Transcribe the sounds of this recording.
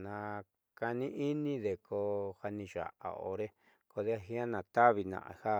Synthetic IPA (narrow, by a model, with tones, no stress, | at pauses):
nã˧ | ka˧nĩ˦ʔi˦nĩ˦ðe˨kʰo˧ha˧nĩ˧ʒa̰˨ʔa̰˨o̰˧ɾe˦ | ko˧ðe˦a˧hi˦ã˦nã˨t̪a˦βi˧nã̰˧˨ʔha˦